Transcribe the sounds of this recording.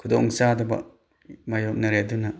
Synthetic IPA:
kʰudɔŋsadɐba̰ | majɔk̚naɾeduna

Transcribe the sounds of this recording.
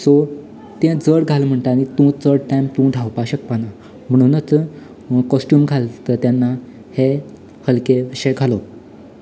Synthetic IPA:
so | t̪ẽd͡zəɽɡʱalm̤əɳt̪əaɽ̃it̪ũt͡səɽʈamt̪ũd̪ʱawpaɕək̚pana | m̤əɽ̃unət͡s | kɔsʈjuːmɡʱalt̪ət̪janːa | he | həlkeɕeɡʱalo

